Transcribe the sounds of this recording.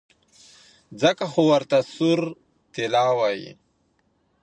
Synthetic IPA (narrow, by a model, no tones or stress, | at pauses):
d͡zəkaxowɐɾt̪asuɾ | t̪ilaːwajḭ